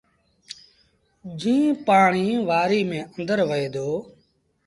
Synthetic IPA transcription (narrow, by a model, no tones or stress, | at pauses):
d͡ʒĩːpaːɳiːʋaːɾiːmẽːʔə̃nd̪əɾʋəɦeːd̪oː